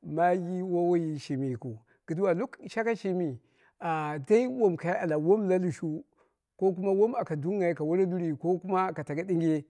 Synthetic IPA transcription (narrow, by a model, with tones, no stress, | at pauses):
ma˦ji˦wa˦wa˦ji˨ʃi˨mi˨ku˨ | ɡ̥i˨du˦wa˨lu˦kʃa˦ka˦ʃi˦mi˨ | a˨da˦i˦wo˦mka˨ja˦a˨la˨wo˦mla˦lu˨ʃu˦ | ko˦k̬u˦ma˦wo˦ma˨ka˨du˦ŋa˨i˨ka˨wa˦ɾa˦du˦ɾi˨ko˦ku˦ma˦˨ka˨ta˨ɡa˦di˦ŋ˦ɡe˦